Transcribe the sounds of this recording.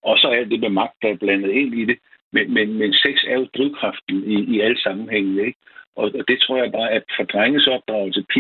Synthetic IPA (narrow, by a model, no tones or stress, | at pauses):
ɒ̽sɒ̽æl̰d̥e̝memɑ̈ɡ̥̚d̥æb̥lænð̞̩ˠe̝n̰id̥e̝ | menmenmenseɡ̥sæɐjo̝d̥ʁiðʊ̰kʰʁɑ̈fd̥n̩iːæl̰̥sɑ̈mm̩heŋ̰nəeɡ̥ | ʔɒ̽ɒ̽d̥e̝t͡sʰʁo̝ɐ̰jɪb̥ɑ̈ːæfɒ̽d̥ʁaŋ̩sɒ̽b̥̚d̥ʁɑ̈ʊl̩səpʰi